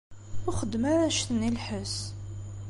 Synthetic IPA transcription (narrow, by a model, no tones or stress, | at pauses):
ʊχəd̪ːmaɾæʃθənilħəs